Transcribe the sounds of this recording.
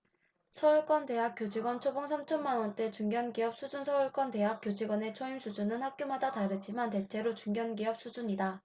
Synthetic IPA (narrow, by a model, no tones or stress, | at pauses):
sʰʌuɭk͈wʌnte̞ɦak͈jod͡ʑiɡwʌnt͡ɕʰoboŋsʰamt͡ɕʰʌnmanʌnt͈e̞t͡ɕuŋɡjʌnɡiʌp̚s͈ʰud͡ʑunsʰʌuɭk͈wʌnte̞ɦak͈jod͡ʑiɡwʌne̞t͡ɕʰoimsʰud͡ʑunɯnhak̚k͈jomadataɾɯt͡ɕ͈imante̞t͡ɕʰe̞ɾot͡ɕuŋɡjʌnɡiʌp̚s͈ʰud͡ʑuɲida